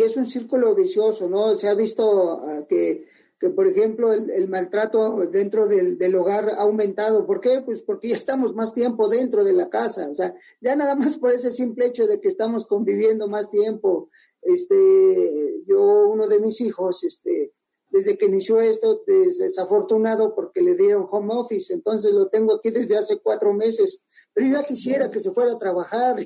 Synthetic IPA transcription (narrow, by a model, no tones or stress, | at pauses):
esunsiɾkulo̞βisjo̞so̞no̞seaβist̪o̞ake | ke̞po̞ɾe̞xe̞mplo̞elelmalt̪ɾat̪o̞ðe̞nt̪ɾo̞ðeld̪e̞lo̞ɣ̞aɾa̰ːwmẽnt̪að̞o̞po̞ɾke̞pwe̞spo̞ɾkeʝaest̪amo̞zmast̪je̞mpo̞ðe̞nt̪ɾo̞ð̞e̞lakasa̰osea | ɟ͡ʝanaðamaspo̞ɾe̞s̬e̞simpleet͡ʃo̞ðe̞keːst̪amo̞sko̞mbiβ̞je̞nd̪o̞mast̪je̞mpo̞ | est̪e | ʝo̞uno̞ðe̞misixo̞sest̪e | d̪e̞zðe̞keinisjoe̞st̪o̞desðesafo̞ɾt̪unaðo̞po̞ɾke̞le̞ðje̞ɾo̞ŋxo̞mofise̞nt̪o̞ns̬e̞slo̞t̪e̞ŋɡoakiðe̞zðeasekwat̪ɾo̞me̞se̞s | pe̞ɾo̞ʝakisje̞ɾake̞s̬e̞fwe̞ɾat̪ɾaβaxaɾ